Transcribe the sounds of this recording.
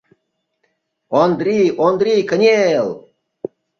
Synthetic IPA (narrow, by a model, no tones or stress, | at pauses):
ond̪ɾiʔond̪ɾʲikənʲelˠ